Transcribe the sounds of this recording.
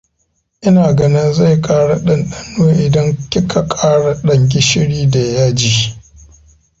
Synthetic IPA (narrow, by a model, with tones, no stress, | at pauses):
ʔɪ˦naː˨ɡɐ˦nɪ˦nza˦˨jkʼaː˦ɽa˨ɗɐ˦nɗɐ˦nːoː˦ʔɪ˨dɐ˦ŋkʲɪ˦kʰa˨kʼaː˦ɽa˨ɗɐ˨ŋɡʲɪ˦ʃɪ˦ɽiː˦da˨jaː˦d͡ʒiː˨